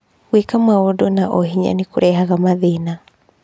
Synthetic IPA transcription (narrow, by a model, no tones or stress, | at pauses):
ɣwekamwaɔdɔnaʔɔɦiɲa̰nekoɾʔɛɦaɣamaðena